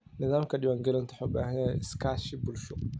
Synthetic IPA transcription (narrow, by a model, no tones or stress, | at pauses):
nɪðaːmkʰɐɖɪwaːŋɡɐlɐnt̪ʰɐħɔba̰ːɦɐnɛɪskʰaːʃɪbʊlʃʊ